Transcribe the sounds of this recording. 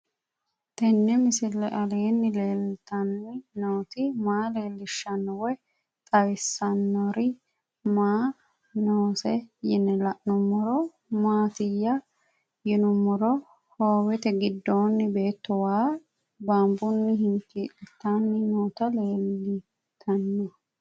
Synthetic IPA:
t̪ɛnːɛmɪsɪlɛʔɐleːnːɪleːlt̪ɐnːɪnoːt̪ɪmaːleːlːɪʃːɐnːɔwɛ | t̪ʼɐjsːɐnːɔɾɪ | maː | noːsɛjɪnːɛlɐʔnʊmːɔɾɔ | maːt̪ɪjːɐ | jɪnʊmːɔɾɔ | hoːwɛt̪ɛɡɪd̪ːoːnːɪbe̞ːt̪ːɔwaː | baːmbʊnːɪɦɪŋkiːlɛt̪ːanːɪnoːt̪ɐle̞ːlːɪ | t̪ʰɐnːɔ

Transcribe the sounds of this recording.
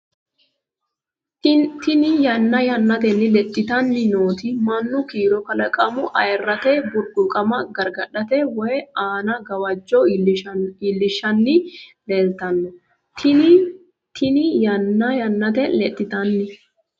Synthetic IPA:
t̪ɪnɪjɐnːɐjɐnːɐt̪ɛnːɪlɛt̪ʼːɪt̪ɐnːɪnoːt̪ɪmɐnːʊkiːɾɔkɐlɐkʼɐmʊʔɐjɛrːɐt̪ɛbʊɾɡ̪ʊkʼɐmɐɡɐɾɡɐɗɐt̪ɛwɔjɛaːnɐɡɐwɐd͡ʒːɔ | ilːɪʃːɐnːɪleːlt̪ɐnːɔ | t̪ɪnɪjɐnːɐjɐnːɐt̪ɛlɛt̪ʼːɪt̪ɐnːɪ

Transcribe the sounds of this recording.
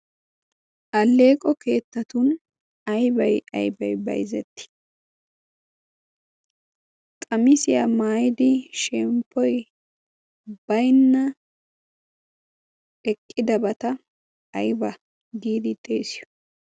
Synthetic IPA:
ʔɐlːe̞ːkʼɔkʰe̞ːt̪ːɐt̪ʊn | ɐjbɐjɐ̰jbɐjbɐ̰jzɛt̪ːɪ̥ | kʼɐmɪsɪjamaːjɪd̪ɪʃɛmpʰːɔj | b̥ɐjnːɐ | ɛkʼːɪd̪ɐbɐt̪ɐː | jbɐ | d̪iːd̪ɪt̪ʼeːsɪjɔ̥

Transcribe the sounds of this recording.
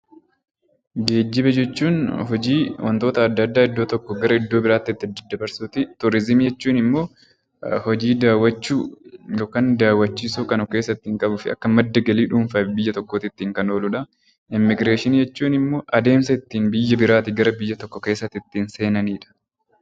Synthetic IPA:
ɡe̞ːd͡ʒːɪbɐd͡ʒɛt͡ʃːuːnɦɔd͡ʒiːwɐ̰nt̪o̞ːt̪ɐːd̪ːɐd̪ːaːɪd̪ːo̞ːt̪ɔkːɔɡɐɾɐɪd̪ːo̞ːbɪɾaːt̪ːɪɪt̪ːɪd̪ːɪd̪ːɐbɐɾsuːt̪ɪt̪ʊɾɪzɪmijɛt͡ʃːuːnɪmːo̞ː | hɔd͡ʒiːd̪aːwɐt͡ʃːuːjoːkaːnd̪aːwːɐt͡ʃːiːsuːkɐnʊkeːsːɐt̪ːɪɪŋkʼɐbʊfɪɐ̰kːɐmɐd̪ːɐɡɐliːᶑuːɱfɐːfbɪjːɐt̪ɔkːoːt̪ɪt̪ːiːŋkɐno̞ːlʊᶑɐ | ɪmːɪɡɾeːʃɪnijɛt͡ʃːuːnɪmːo̞ːʔɐd̪e̞ːmsɐɪt̪ːiːnbɪjːɐbɪɾaːt̪ɪɡɐɾɐbɪjːɐt̪ɔkːɔke̞ːsːɐt̪ːɪt̪ːiːnse̞ːnɐniːᶑɐ̥

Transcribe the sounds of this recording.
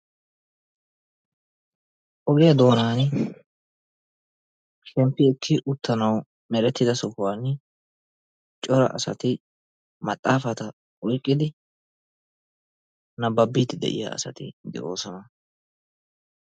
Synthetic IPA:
ʔɔɡɛjɐd̪o̞ːnaːn | ʃɛmpːɪɪkʰːɪʔʊt̪ːɐnɐw | mɛɾɛt̪ːɪd̪ɐsʊhʊwaːn | t͡ʃʼɔɾɐ̰ʔɐ̰sɐt̪ɪ | mɐt̪ʼːaːfɐt̪ɐ | ʔɔjkʼːɪd̪ɪ | nɐbɐbːiːt̪ːɪd̪ɛ̰ʔɪ̰ja̰ɐ̰sɐ̰t̪ɪd̪ɛ̰ʔo̰ːsɔnɐ

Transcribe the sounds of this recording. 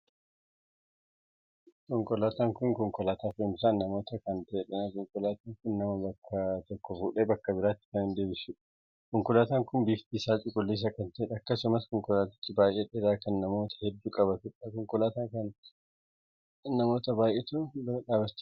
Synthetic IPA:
kɔŋkʼɔlaːt̪aːŋkʊŋkɔŋkʼɔlaːt̪aːfɪmsaːnnɐmo̞ːt̪ɐkɐnt̪ɐːᶑɐnakɔŋkʼɔlaːt̪aːŋkʊnnɐmɐbɐkʰːɐt̪ɔkːɔfuːᶑeːbɐkːɐbɪɾaːt̪ːɪ̥kɐnɪnd̪e̞ːbɪsʊᶑ | kɔŋkʼɔlaːt̪aːŋkʊnbiːft̪iːsaːt͡ʃʼɪkʼʊlːiːs̬ɐkɐnt̪ɐɛᶑɐkːɐsʊmɐskɔŋkʼɔlaːt̪ɪ̥t̪ːɪbaːjʔeᶑɛɾaːkɐnːɐmo̞ːt̪ʰɐ̥hɛd̪ːuːkʼɐβɐt̪ʊᶑɐkɔŋkʼɔlaːt̪aːkɐn | ɐmo̞ːt̪ɐbaːjʔet̪ʊᶑaːbɐt͡ʃː

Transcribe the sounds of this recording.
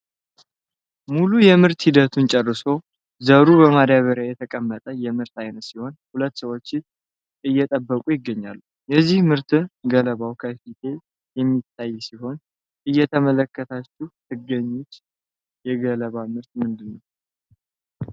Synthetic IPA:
mulujɛmɨɾt̪hid̪ət̪ʰunt͡ʃʼɛrːɨso̞ | zəɾubəmad̪aβəɾjajɛt̪ʰəkʼəmːət̪ʼəjɛmɨɾt̪ajnət̪siho̞nhulət̪ːsəwo̞t͡ʃːɪ | ʔɨjːɛt̪ʼəbːəkʼujɪɡːəɲːa̰lːu | jɛzːihmɨɾt̪ʰɨnɡələβawkʰəfit̪ʰe̞ | jɛmːit̪ʰːajːsiho̞n | ʔɨjːɛt̪ʰəmələkːət̪ʰat͡ʃːut̪ʰɨɡːəɲːut͡ʃ̪ː | jɛɡələβamɨɾt̪mɨnd̪ɨnːəw

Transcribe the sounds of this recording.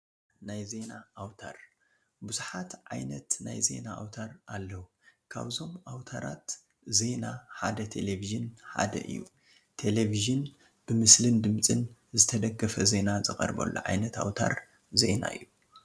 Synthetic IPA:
najze̞naːwt̪ʰa̰ɾ | buzuħat̪ʕa̰jnɐt̪najze̞̰naʔawt̪ʰaɾʔalːɐwu | kʰa̰βzo̞mʔawt̪ʰaɾat̪ | ze̞naħad̪ɐt̪ʰe̞leviʒɨnħa̰d̪ɐ̰ʔɨ̰jːṵ | t̪ʰe̞leviʒɨn | b̥ɨmɨslɨnd̪ɨmt͡sʼɨnzɨt̪ʰɐd̪ɐɡɐfɐze̞nazɨkʼɐ̰ɾbɐ̰lːo̰ʕajnɐt̪a̰wt̪ʰa̰ɾ | ze̞na̰ɨ̰jːu

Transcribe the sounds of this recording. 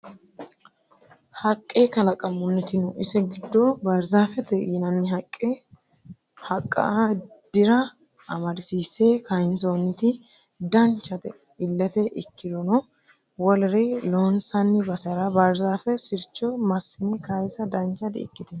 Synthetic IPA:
hɐkʼːeːkɐlɐkʼɐmːʊnːɛt̪ɪnʊʔɪsɛɡɪd̪ːɔbɐɾzaːfɛt̪ɛnɐnːɪɦɐkʼːe | hɐkʼːɐ̰ | d̪̥ɪɾɐ | ɐmɐdɪsiːseːkɐjɪns̬oːnːɪt̪ɪ | d̪ɐnt͡ʃːɐt̪ɛ̰ | ɪlːɛt̪ɛʔɪkːɪd̪ɔnɔ | wɔlɾɪlɔnsɐnːɪbɐsɐɾɐbɐɾzaːfɛsɪɾt͡ʃːɔmɐsːɪnɛkɐjsɐd̪ɐnt͡ʃɐd̪ɪ̰ɪ̰kːɪt̪ɪn

